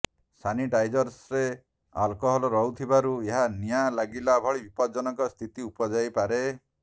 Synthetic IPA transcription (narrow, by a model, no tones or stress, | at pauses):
saniʈajd͡ʒɔɾsɾe | alkɔɦɔlɔɾɔɦut̪ʰibaɾueɦanijalaɡilabʱɔɭibipɔd̪d͡ʒɔnɔŋkɔst̪ʰit̪iupɔd͡ʒajpaɾe